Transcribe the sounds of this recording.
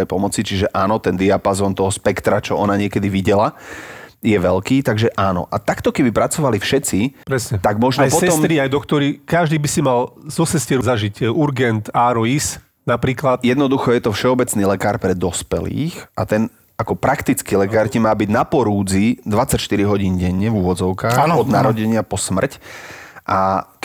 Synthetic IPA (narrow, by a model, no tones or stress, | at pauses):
ɛjpɔmɔt͡sit͡ʃiʒɛʔaːnɔt̪ɛnd̪iapazɔːnt̪ɔɦɔspɛkt̪ɾat͡ʃɔɔnaɲɪɛkɛd̪iʋiɟɛla | jɛʋɛlkiːt̪aɡʒɛʔaːnɔ̰ʔat̪akt̪ɔkɛbipɾat͡sɔʋalifʃɛt͡sipɾɛsɲɛt̪aɡmɔʒnɔpɔsɛɔsmt̪ɾiajd̪ɔkt̪ɔɾikaʒd̪iːbisimalzɔsɛscɪɛɾzaʒicuɾɡɛnt̪aːɾɔis | napɾiːklat̪jɛd̪nɔd̪uxɔjɛt̪ɔfʃɛɔbɛt͡sniːlɛkaːɾpɾɛd̪ɔspɛ̰lḭːxʔat̪ɛn | akɔpɾakt̪it͡skilɛkaːɾcimaːbiɟnapɔɾuːd͡zid̪ʋat͡sacʃt̪iɾiɦɔɟiːnɟɛɲːɛvuʋɔd͡zɔʊkaːxnɔd̪naɾɔɟɛɲɪapɔsmr̩cʔa